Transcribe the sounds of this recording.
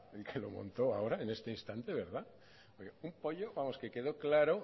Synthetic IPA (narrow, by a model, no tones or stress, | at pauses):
elkʰelo̰mõ̰nt̪oa̰oɾaenest̪einst̪ant̪eβeɾð̞a | ojɣumpoʎoβamoskekeð̞oklaɾo